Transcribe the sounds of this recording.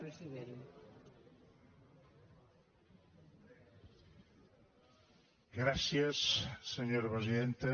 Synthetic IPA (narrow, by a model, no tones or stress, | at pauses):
ɾesiðeɾ | ɡɾasjasːeɲoɾpɾes̬iðent̪e